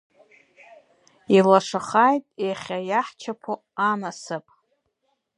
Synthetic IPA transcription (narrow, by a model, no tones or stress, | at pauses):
ilaʂaχajtʼeχʲajaħt͡ʃʰapʰo | amasɨpʼ